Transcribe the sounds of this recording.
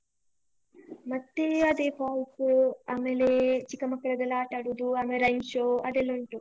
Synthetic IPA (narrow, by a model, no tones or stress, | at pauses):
mɐt̪ːeɐd̪eːpaːlsuaːmelet͡ʃikːɐmɐkːɐɭɐd̪ɐlaːʈɐɽud̪uɐːmeɾɐjmʃoːɐd̪elːuɳʈu